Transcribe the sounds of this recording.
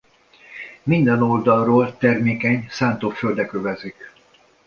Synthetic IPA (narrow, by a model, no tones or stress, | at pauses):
mind̪ɛno̞ld̪ɒlroːlt̪ɛrmeːkɛɲsaːnt̪oːføld̪ɛkøvɛzik